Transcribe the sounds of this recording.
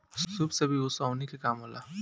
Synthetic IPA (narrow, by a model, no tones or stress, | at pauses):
subsɐbʱiʊsaːnikekaːmɦola̰ː